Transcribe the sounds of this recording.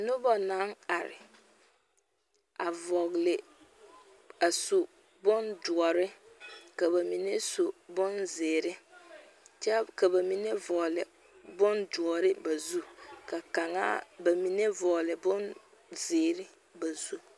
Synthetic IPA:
nʊ˦bɔ˨na˦ŋa˨ɾɪ̰˨ | a˨vɔ˨ɣlɪ˨ | a˨sʊ˨ | bʊ˦ndʊ˨ɔ˨ɾɪ˦ka˨βa˨mi˨ne˦so˨bʊ˦nzɪː˨ɾɪ˦ | t͡ʃɛ˦ka˨ba˨mi˨ne˦vɔ˨lɪ˨ | bʊ˦ndʊ˨ɔ˨ɾɪ˦ba˨zu˦ka˨ka˨ŋa̰˦ba˨mi˨ne˦vɔ˨lɪ˨bʊ˦n | zeː˨ɾɪ˦ | ba˨zu˦

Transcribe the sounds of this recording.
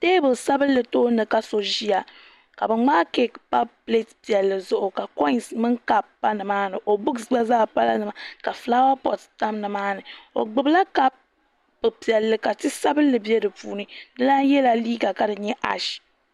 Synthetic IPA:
teː˦bɨ˨sa˦bɨ˦lːɨ˨toː˦nɨ˨ka˦so˨ʒi˦ja˨ | ka˨bɨ˨ŋ͡maː˦ke˨pa˦ple˦tpi˨ɛ˨lːɨ˨zʊ˦ʔʊ˨ka˨kɔ˦i˨nsmɨ˦ŋka˦bpa˦nɨ˨maː˦nɨ˨ʔo˨bʊ˦kza˦zaː˦˨pa˦la˦nɨ˨ma˨ka˨fla˦wa˦pɔ˨tta˦mnɨ˨maː˦nɨ˨o̰˨ɡ͡bɨ˨bla˦ka˦b̚ | bɨ˨pi˨ɛ˨lːɨ˨ka˨tɨ˦sa˦bɨ˦lːɨ˨bjɛ˦dɨ˨puː˨nɨ˦nɨ˦la˦jɛ˦la˨liː˦ɡa˨ka˨dɨ˨ɲɛ˦ʔa̰˨ʃ

